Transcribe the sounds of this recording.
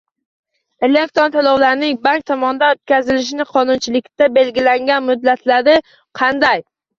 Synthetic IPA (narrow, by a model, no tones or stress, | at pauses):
elek̚t̪ont̪ʰalˠɒwlaɾnɪŋbaŋk̚t̪ʰɒmɒnd̪anot̪kʲʰazɪlɪʃ̬ɪnɪqʰɒnʊnt͡ʃʰɪlɪkʲt̪abe̞lɡʲɪlaŋɡʲanmʊd̪ːat̪ʰlaɾɪ | qʰɑnd̪aj